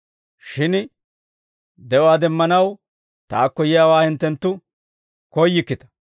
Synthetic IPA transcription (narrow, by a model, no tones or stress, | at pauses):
ʃɪn | d̪ɛwaːd̪ɛmːɐnɐw | t̪aːkːɔjɪjawaːhɪnt̪ːɛnt̪ːʊ | kɔjːɪkːɪt̪ɐ̥